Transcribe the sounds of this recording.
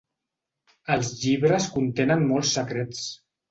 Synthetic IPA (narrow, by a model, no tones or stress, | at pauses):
əlˠzʎiβɾəskunt̪enənmɔlˠsːəkɾet͡s